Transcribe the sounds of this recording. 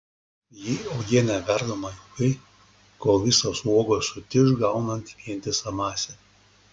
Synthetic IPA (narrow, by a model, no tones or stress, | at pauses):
jiɐʊɡʲiɛnʲɛʋʲɛɾd̪oːmɐjuɡɐɪ | koːlˠʋʲɪsoːsuɔɡoːsʊt̪ʲɪʒɡɐˑʊnɐnʲt̪ʋʲiɛnʲt̪ʲɪsɐmɑːsʲɛ